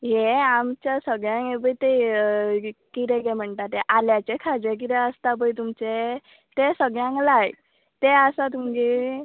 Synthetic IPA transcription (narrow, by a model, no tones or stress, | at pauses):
jeamt͡ɕasəɡɭjãŋebəjt̪e | kit̪ɛɡɛm̤əɳʈ̪at̪eʔaljat͡ɕekʰad͡zek̬it̪ɛəst̪ap̬əjt̪umt͡ɕe | t̪esəɡɭjãŋklaj | t̪eəsat̪umd͡ʑe